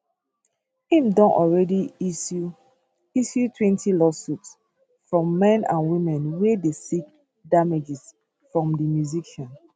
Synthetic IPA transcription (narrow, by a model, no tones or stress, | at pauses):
ĩmdɔ̃nʔɔlɹɛdi | isjutʰwɛ̃ntʰilɔsuts | fɹɔ̃mːɛ̃nã̰nwĩmɛ̃nwedesik̚ | damed͡ʒɛs | fɹɔ̃mdimjuziʃãn